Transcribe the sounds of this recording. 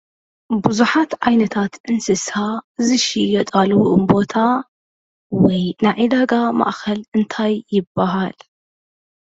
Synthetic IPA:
bɨzuħat̪ʕajnɐt̪ʰat̪ʔɨnsɨshazɨʃijɐt̪ʼalwuʔɨmbo̞t̪ʰa | wɔjnaʕid̪aɡama̰ʔxɐlɨnt̪ʰajːɪbːɐɦal

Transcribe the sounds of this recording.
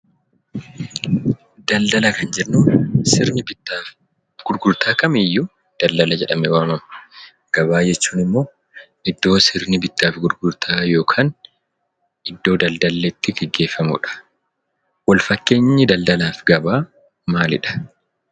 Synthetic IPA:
d̪̥ɐld̪ɐlɐkɐnd͡ʒɪɾnusɪɾnɪbɪt̪ːaːf | ɡ̥ʊɾɡʊɾt̪ʰaːkɐmɪjːʊ | d̪̥ɐld̪ɐlɐd͡ʒɛᶑɐmɛwaːmɐm | ɡ̥ɐbaːd͡ʒɛt͡ʃːuːnɪmːo̞ː | ʔɪd̪ːo̞ːsɪɾnɪbɪt̪ːaːfɡʊɾɡʊɾt̪ʰaːjo̞ːkʰaːn | ɪd̪ːo̞ːd̪ɐld̪ɐlːet̪ːɪɡɛɡːe̞ːfːɐmʊ̰ᶑɐ̥ | wɐlfɐkːe̞ːɲːɪd̪ɐld̪ɐlaːfɡɐbaː | maːlɪᶑɐ̥

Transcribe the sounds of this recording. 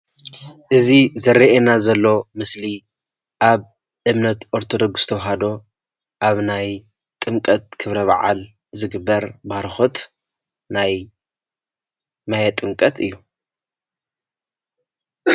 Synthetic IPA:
ʔɨzizɐɾːienazɐlːo̞mɨsli | ʔaβ | ʔɨmnɐt̪ʔoɾt̪ʰod̪o̞ɡst̪ʰɐwɦad̪o̞ | ʔaβnaj | t̪ʼɨŋkʼɐt̪̚kʰɨβɾɐβa̰ʕa̰l | zɨɡɨbːɐɾbaɾxot̪ | naj | majɛt̪ʼɨŋkʼɐt̪ʰɨjːu

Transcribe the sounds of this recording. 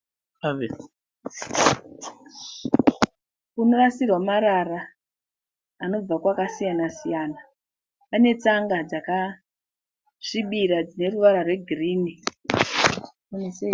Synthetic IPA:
kunorasirwamaɾara | no̞b͡vakwakasijanasijaːna | pane̞t͡saŋɡad͡zaka | ʐ̥iɓiɾad͡zine̞ruʋaɾarwe̞ɡʱiriːni | unese

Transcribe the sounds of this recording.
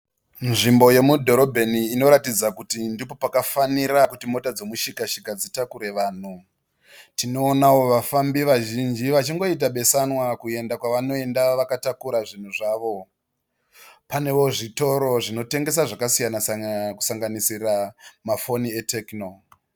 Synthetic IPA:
nʐimbo̞je̞mudʱo̞ɾo̞bʱe̞niːno̞ɾatid͡zakutindipo̞pakafaniɾakutimo̞tad͡zo̞muʃikaʃikad͡zitakuɾe̞ʋaːn̤u | tino̞ːnawo̞ʋafambiʋaʒind͡ʒiʋat͡ʃiŋɡo̞it̬aɓe̞sanwakue̞ndakwaʋano̞e̞ndaʋakatakuɾaʐin̤uʐaʋo̞ | pane̞ʋo̞ʐito̞ɾo̞ʐino̞te̞ŋɡe̞s̬aʐakasijanasku̥saŋɡanisiramafo̞nie̞tʰekno

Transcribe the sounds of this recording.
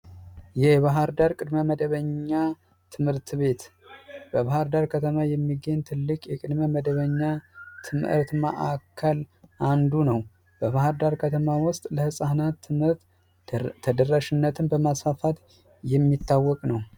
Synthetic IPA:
jɛβaɦaɾd̪aɾkʼɨd̪məməd̪əβəɲːa | t̪ʰɨmhɨɾt̪ʰβe̞t̪b̥əβahaɾd̪aɾkʰət̪ʰəmajɛmːiɡeɲt̪ʰɨlːɨkʼjɛkʼɨd̪məməd̪əβəɲːat̪ʰɨmʔɨ̰ɾt̪mə̰ʔakʰːəlʔand̪unəw | b̥əβahaɾd̪aɾkʰət̪ʰəmawʊst̪ʼləhɨsʼahnat̪ːɾt̪ʰː | əd̪ərːaʃɪnːət̪ʰɨnbəmasfafat̪ | jɛmːit̪ʰːawːɔkʼnəw

